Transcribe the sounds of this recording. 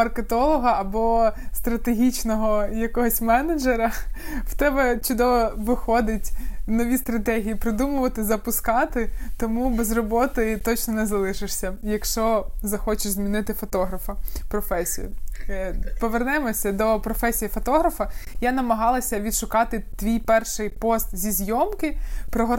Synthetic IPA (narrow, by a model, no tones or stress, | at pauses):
ɐrket̪ɔlˠɔɦɐɐbɔst̪ɾɐt̪eɦʲit͡ʃnɔɦɔjɐkɔɦɔsʲmɛnɐd͡ʒeɾɐw̥t̪ɛbɛt͡ʃʊd̪ɔʋɔʋɪxɔd̪ɪtʲnɔʋʲist̪ɾɐt̪ɛɦʲijipɾɪd̪umʊʋɐt̪ɪzɐpʊskɑt̪ɪt̪ɔmubɛzrɔbɔt̪ɪt̪ɔt͡ʃnɔnɛzɐlˠɪʃɪʂsʲɐjɐkʃt͡ʃɔzɐxɔt͡ʃɪʃzmʲinɪt̪ɪfɔt̪ɔɦɾɐfɐpɾɔfɛsʲḭjʊ̰ | pɔʋernɛmɔsʲɐd̪ɔpɾɔfɛsʲijifɔt̪ɔɦɾɐfɐjanɐmɐɦɑlˠɐsʲɐʋʲid̪ʃʊkɑt̪ɪt̪ʋʲijpɛrʃɪjpɔst̪zʲizʲjɔmkɪpɾɔɦɔ